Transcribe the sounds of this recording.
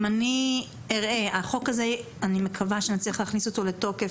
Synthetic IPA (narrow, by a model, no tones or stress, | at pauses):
mani | eʁʔe̞aχo̞kaze̞ | anime̞kʰavaʃeanit͡sliiχleaːχniso̞to̞le̞to̞ke